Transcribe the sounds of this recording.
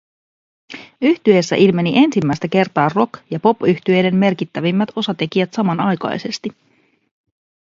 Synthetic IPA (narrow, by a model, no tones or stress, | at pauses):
yht̪yesːæ̰ʔilme̞niʔe̞nsimːæjst̪æke̞rt̪ɑːro̞kjɑpo̞pyçt̪ye̞jde̞mːe̞rkit̪ːæʋimːæt̪o̞sɑt̪e̞k̟iæt̪sɑmɑnɑjkɑ̰jse̞st̪i